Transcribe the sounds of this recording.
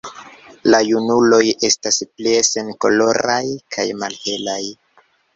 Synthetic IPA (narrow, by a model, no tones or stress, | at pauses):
lajunulo̞je̞staspleese̞nko̞̰lo̞ɾajkʰajmalhe̞laj